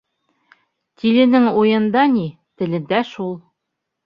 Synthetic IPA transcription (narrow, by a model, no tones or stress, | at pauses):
t̪ilɘ̆nɘŋujɤ̆nd̪ɑni | t̪ɘ̆lɘ̆nd̪æʃulˠ